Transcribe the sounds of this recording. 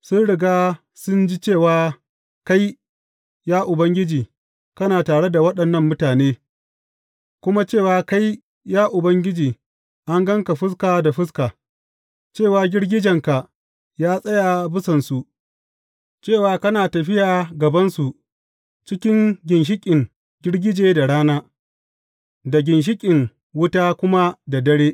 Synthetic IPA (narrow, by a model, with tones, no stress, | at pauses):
sʊ˦nɽɪ˨ɡaː˦ | sʊ˦nd͡ʒi˦t͡ʃeː˦˨waː˦ | ka˦j | jaː˦ʔʊ˨bɐ˦ŋɡʲɪ˦d͡ʒiː˨ | kɐ˦naː˨taː˨ɽe˦da˨wɐ˦ɗɐ˨nːɐ˦˨mːʊ˦taː˨neː˦ | kʷʊ˦ma˦t͡ʃeː˦˨waː˨ka˦j | jaː˦ʔʊ˨bɐ˦ŋɡʲɪ˦d͡ʒiː˨ | ʔa˦ŋɡɐ˦ŋka˨ɸɪ˦s̬kaː˨da˨ɸɪ˦s̬kaː˨ | t͡ʃeː˦˨waː˨ɡʲɪ˦ɽɡʲɪ˦d͡ʒɐ˨ŋka˨ʔ | jaː˦sʼɐ˦ja˨bɪ˦sɐ˨nsu˨ʔ | t͡ʃeː˦˨waː˨kɐ˦naː˨tɐ˨ɸɪ˦jaː˨ɡɐ˨bɐ˦nsu˨ʔ | t͡ʃɪ˦kʲɪ˦ŋɡʲɪ˨nʃ̬ɪ˦kʲʼɪ˨ŋ | ɡʲɪ˦ɽɡʲɪ˦d͡ʒeː˨da˨ɽaː˦naː˦ | da˨ɡʲɪ˨nʃ̬ɪ˦kʲʼɪ˨ŋ | wʊ˦taː˦kʷʊ˦ma˦da˨dɐ˦ɽeː˦ʔ